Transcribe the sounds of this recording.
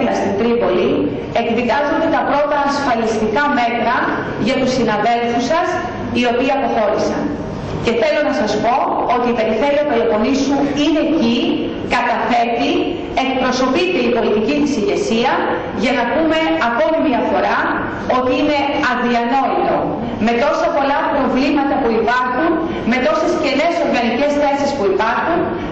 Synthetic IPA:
st̪int̪ɾipo̞li | e̞kðikɐzo̞nd̪e̞t̪ɐpɾo̞t̪ɐːsfɐlist̪ikɐme̞t̪ɾɐ | ʝɐt̪usinɐðe̞lfusɐs | io̞piiɐpo̞xo̞ɾisɐ̰n | ce̞θe̞lo̞nɐsɐspo̞ot̪iːpe̞ɾiθe̞liopelopo̞nisuine̞ci | kɐt̪ɐfe̞ɾt̪i | e̞kpɾo̞so̞pit̪e̞ipo̞lit̪icit̪isiʝe̞siɐ | ʝɐnɐpume̞ɐko̞mimiɐfo̞ɾɐ | o̞t̪iine̞ɐðiɐno̞ilo̞ | me̞t̪o̞sɐpo̞lɐpɾo̞vlimɐt̪ɐpuipɐɾxun | me̞t̪o̞se̞sce̞ne̞so̞ɾɣɐnice̞sθe̞sispuipɐɾxun

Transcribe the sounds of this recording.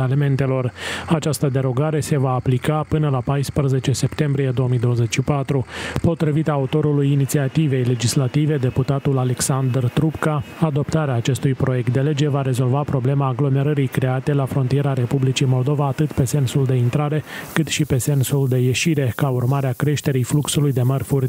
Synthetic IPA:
eleme̞nt̪e̞lo̞rat͡ʃast̪əd̪e̞ɾo̞ɡaɾe̞se̞vaːplikapɨnəlapajspɾəze̞t͡ʃe̞se̞pt̪e̞mbɾijed̪o̞əmijd̪o̞wəze̞t͡ʃʃipat̪ɾupo̞t̪ɾivit̪aːut̪o̞ɾulujinit̪siat̪ive̞jle̞d͡ʒislat̪ive̞d̪e̞put̪at̪ulale̞ksand̪rt̪ɾupkaad̪o̞pt̪aɾeaːt͡ʃe̞st̪ujpɾo̞je̞k̚t̪d̪e̞le̞d͡ʒe̞vaɾe̞zo̞lvapɾo̞ble̞maːɡlo̞me̞ɾəɾikɾe̞at̪e̞lafɾo̞nt̪ije̞ɾaɾe̞publit͡ʃimo̞ld̪o̞vaːt̪ɨt̪pe̞se̞nsuld̪e̞int̪ɾaɾe̞kɨt̪ʃipe̞se̞nsuld̪e̞je̞ʃiɾe̞kaurmaɾeakɾe̞ʃt̪e̞ɾijfluksulujd̪e̞mərfurʲ

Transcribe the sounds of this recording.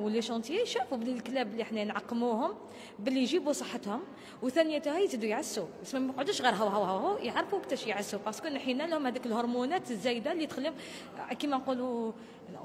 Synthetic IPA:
wəlːiʃɑnt̪jæjʃæfublilklæblːiʔəħnænʕɑqːmuhʊm | bəlːijʒibusˤɑħːət̪hʊm | wt̪ænəjæt̪hæjzid̪ujʕəsːuæsmæmæqʕəd̪uʃɣiɾɦæwɦæwhæwhujəʕɾˤfuwəkt̪æʃjʕəsːubɑskunħinælhʊmhæd̪ikəlhoɾˤmunæt̪zːæjd̪alːit̪xlːəm | kimænqulu

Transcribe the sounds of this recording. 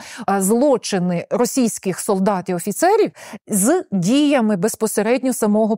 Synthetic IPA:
zlˠɔt͡ʃɪnɪɾɔsʲijsʲkɪxsɔlˠd̪ɑt̪ʲiɔfʲit̪sɛɾʲiwzdʲijɐmɪbespɔseɾɛdʲnʲɔsɐmɔɦɔ

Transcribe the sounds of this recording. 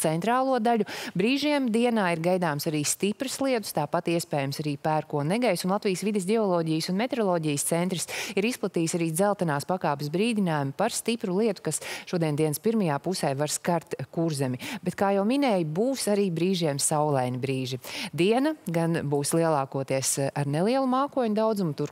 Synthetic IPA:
t̪sɛnt̪ɾaːlˠuɔd̪aʎʲubɾiːʒiɛmd̪iɛnaːiɾɡajd̪aːmsaɾiːst̪ipɾɨslˠiɛt̪u̥st̪aːpat̪iɛspɛːjamsaɾiːpæːɾkuɔnɛɡajsunlˠat̪vijsʋid̪es̬d̪ʲɛɔlˠɔːɟijsunmɛt̪eɾɔlˠɔːɟijst̪sɛnt̪ɾisiɾisplˠat̪iːjsaɾiːd̪zɛlˠt̪anaːspakaːpesbɾiːd̪inaːjumpaɾst̪ipɾulˠiɛt̪u̥kasʃuɔd̪iɛnd̪iɛnspiɾmɐjaːpusɛjvaɾskaɾt̪kuɾzɛmʲibet̪kaːjawminɛːjbuːsaɾiːbɾiːʒiɛmsawlˠɛjnibɾiːʒid̪iɛnɐɡanbuːslˠiɛlˠaːkuɔt̪iɛsaɾnelˠiɛlˠumaːkuɔɲud̪awd̪zumt̪uɾ

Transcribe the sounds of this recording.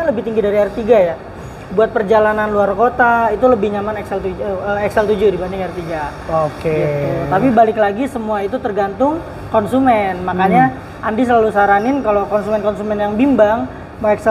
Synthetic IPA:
aləbɪht̪iŋɡidaɾiaɾt̪iɡaja | buat̪̚pərd͡ʒalananluarkot̪ait̪uləbɪhɲamanɛksɛlt̪uəɛksɛlt̪ud͡ʒudibandɪŋart̪iɡaokeɡiut̪apibalɪklaɡisəmuait̪ut̪ərɡant̪ʊŋ | kɔnsumɛnmakaɲa | ʔandis̬əlalusaɾanɪnkalokɔnsumɛnkɔnsumɛnjaŋbimbaŋ | maɛksɛ

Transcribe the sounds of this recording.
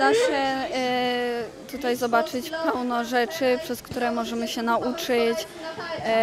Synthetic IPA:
d̪aɕɛ | t̪ut̪ajzɔbat͡ʂɘt͡ɕpɛwnɔʐɛt͡ʂɘpʂɛskt̪uɾɛmɔʐɛmɘɕɛnaʔut͡ʂɘt͡ɕ

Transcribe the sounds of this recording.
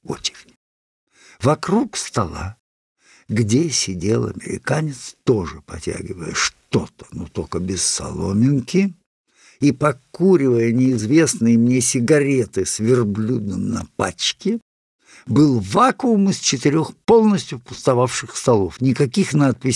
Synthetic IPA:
o̰t͡ɕɪ̥xnʲɪ | vɐkɾukst̪ɐlˠa̰ | ɡdʲesʲɪdʲelˠɐ̰mʲɪ̰ɾʲɪ̰kanʲɪt̪st̪oʐɨpɐtʲa̰ɡʲɪvə̰jə̰ʂt̪o̞t̪ə̥not̪okəbʲɪsːɐ̰lˠo̞mʲɪnkʲɪ | ipɐkuɾʲɪvəjənʲɪːzvʲe̞snɨjɪmnʲesʲɪɡɐɾʲe̞t̪ɨsvʲɪrblʲud̪nɨmnɐpa̰t͡ɕkʲɪ | bɨlˠvakʊːmɨst͡ɕɪt̪ɪɾʲo̞xpo̞lˠnəsʲtʲjʊpʊst̪ɐvafʂɨxst̪ɐlˠo̞fnʲɪkɐkʲixnat̪̚pʲɪs

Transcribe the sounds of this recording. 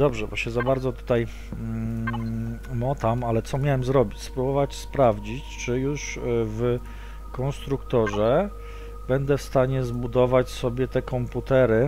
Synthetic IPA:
d̪ɔbʐɛbɔɕɛzabaɾd̪zɔt̪u̥t̪aj | mɔt̪amalɛt̪sɔmʲjawɛmzɾɔbʲit͡ɕspɾubɔvat͡ɕspɾavd͡ʑit͡ɕt͡ʂɘjuʂv | kɔnst̪ɾukt̪ɔʐɛ | b̥ɛnd̪ɛfst̪aɲɛzbud̪ɔvat͡ɕsɔbʲjɛt̪ɛkɔmput̪ɛɾɘ

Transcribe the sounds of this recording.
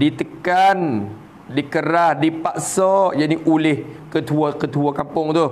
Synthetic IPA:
dit̪əkan | dikəɾahdipaʔsɔjaniʔulɪhkət̪uakət̪uakampʊŋt̪u

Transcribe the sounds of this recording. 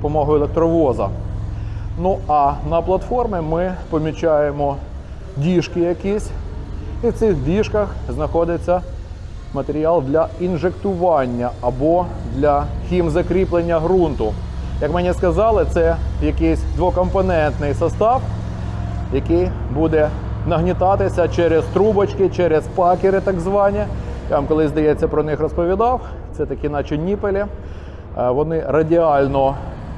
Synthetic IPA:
ɔpɔmɔɦʊelˠek̚t̪ɾɔʋɔzɐ̰ | nuɐnɐplˠɐt̪fɔrmʲɪmɪpɔmʲit͡ʃɑjemɔ | dʲiʃkɪjɐkʲisʲ | iwtsɪxdʲiʃkɐxznɐxɔd̪ɪt͡sʲːɐ | mɐt̪eɾʲiɑlˠd̪lʲɐinʒekt̪ʊʋɑnʲːɐɐbɔd̪lʲɐhʲimzɐkɾʲiplˠenʲːɐɦɾunt̪ʊ | jɐkmɛnʲiskɐzɑlˠɪt̪sɛjɐkɪsʲd̪ʋɔkɔmpɔnɛnt̪nɪjsɐst̪ɑw | jɐkɪj | bud̪ɛ | nɐɦnʲɪt̪ɑt̪ɪsʲɐt͡ʃɛɾɛst̪ɾubɐt͡ʃkɪt͡ʃɛɾɛspɑkʲɪɾɪt̪ɑɡzʋɑnʲij̪amkɔlˠɪzd̪ɐjɛt͡sʲːɐpɾɔnɪxrɔspɔʋʲid̪ɑw | t̪sɛt̪ɐkʲinɐt͡ʃɔnʲːipelʲi | ʋɔnɪrɐdʲiɑlʲnɔ

